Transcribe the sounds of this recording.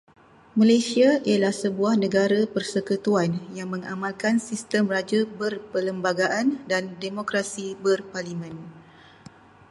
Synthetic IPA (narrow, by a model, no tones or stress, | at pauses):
malasiaialahsəbuahnə̃ɡaɾapərsəkut̪uanjaŋmə̃ŋa̰mãlkansist̪əmrad͡ʒabərpələmbaɡaʔandandemokɾasibərparlimɛ̃n